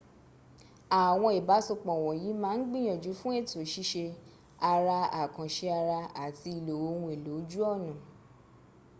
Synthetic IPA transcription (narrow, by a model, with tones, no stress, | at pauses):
a˨w̃ɔ̃˧i˨ba˨˦so˧k͡pɔ̃˨w̃ɔ̃˨ji˨˦mãː˦˧n̩˦ɡ͡bĩ˦˨j̃ã˨d͡ʒu˨˦fũ˦e˦˨to˨˦˨ʃi˧˦ʃe˧ | a˧ɾa˧a̰˨kã˨ʃe˧a˧ɾa˧a˨ti˧i˨lo˨wo˧˦wũ˧˦e˨lo˨˦d͡ʒu˦ɔ˦˨nã˨